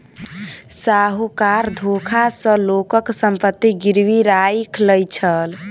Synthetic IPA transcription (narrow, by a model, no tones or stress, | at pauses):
saɦokaɾd̪ʱokʰasə̃lokəksəmpət̪ːiɡiɾwiɾaikʰləjt͡ʃʰəl